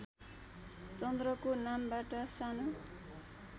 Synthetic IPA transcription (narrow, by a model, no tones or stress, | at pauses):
t͡sʌnd̪rʌkonambaʈʌsano